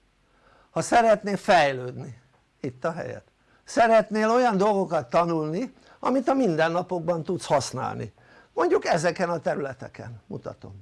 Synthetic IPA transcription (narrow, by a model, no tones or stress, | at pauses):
hɒsɛɾɛt̪neːfɛjløːd̪ni | it̪ːɒɦɛ̰jɛ̰t̪ | sɛɾɛt̪neːlo̞jɒnd̪o̞lɡo̞kɒt̪ːɒnulni | ɒ̰mit̪ɒmind̪ɛnːɒpo̞ɡ̚bɒnt̪ut̪shɒsna̰ːlnḭ | mo̞ɲɟukɛzɛkɛnɒt̪ɛɾylɛt̪ɛkɛ̰nmut̪ɒ̰t̪o̞̰m